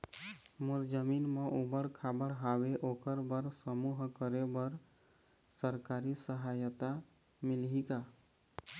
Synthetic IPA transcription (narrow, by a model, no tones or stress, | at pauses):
muɾd͡ʒəminmeʔubəɽkʰabəɽɦaʋeʔokəɾbəɾsəmuɦkəɾebəɾ | səɾkaɾisəɦajət̪a | milɦika